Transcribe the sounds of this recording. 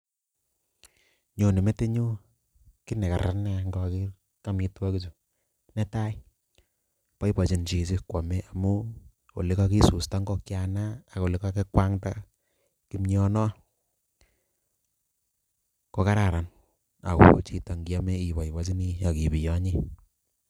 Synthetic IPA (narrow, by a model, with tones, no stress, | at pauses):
ɲo˨ne˨me˦te˦ɲu˦ | ki˦nɛ˨ka̰˨ɾa̰˦nɛ˦˨ŋɡɔ˨ki˦ | ka˦mi˦twa˦ki˦t͡ʃu˨ | nɛ˦ta˦i˦ | pa˦jpa˨t͡ʃi˨nt͡ʃi˨s̬ɪ˦kwa˨me˦ʔa˨mu˦ | o̰˨lɪ˦ka˦ki˦su˨sta˦ŋɡɔ˦kja˨naː˦˨ko˨lɪ˦ka˦ke˦kwa˦ŋta̰˦ | ki˦mɲɔ˦nɔ˦ | ko˦ka˦ɾa˨ɾa˨n | a̰˨ko̰˦t͡ʃi˨ta˨ŋɡi˦a˦me˦i˨pa˨jpa˦t͡ʃi˦ni˦jɔ˨ki˨bi˨jɔ˦ɲi˦